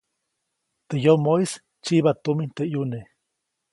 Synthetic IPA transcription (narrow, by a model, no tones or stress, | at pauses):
t̪ejomois | t͡ʃiβat̪umint̪ejune